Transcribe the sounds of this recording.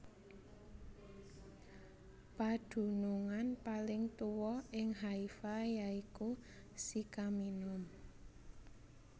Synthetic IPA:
pad̥ṳnuŋanpalɪŋt̪uwɔɪŋɦaifajaiku | sikaminʊm

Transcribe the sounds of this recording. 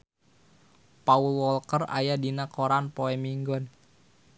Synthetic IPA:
paulwɔlkəra̰jadinakoɾanpoɛmiŋɡɔn

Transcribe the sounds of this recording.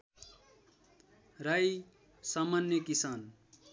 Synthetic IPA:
raj | samanjʌkisan

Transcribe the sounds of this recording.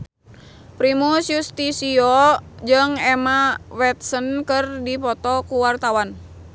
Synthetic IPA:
pɾimusjust̪isiod͡ʒɨŋɛmawɛt̪̚sənkɨrdipɔt̪ɔkuwart̪awan

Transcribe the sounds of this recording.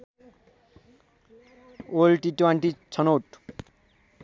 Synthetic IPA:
olʈitwaɳʈit͡ʃʰɔnoʈ

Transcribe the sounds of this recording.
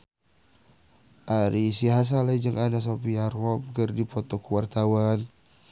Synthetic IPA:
ʔaɾisiɦas̬alaid͡ʒəŋʔanas̬opiarɔp̚kərdipɔt̪ɔkəwart̪awan

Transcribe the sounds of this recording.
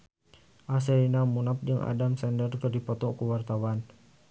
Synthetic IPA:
ʔas̬ɛɾinamunap̚d͡ʒəŋʔa̰damsɛndərkərdipɔt̪ɔkuwart̪awan

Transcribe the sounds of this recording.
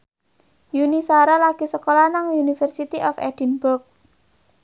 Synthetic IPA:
junisaɾalaɡ̥isəkolanaŋunifərsit̪iʔɔfɛ̰d̥inbʊrk̚

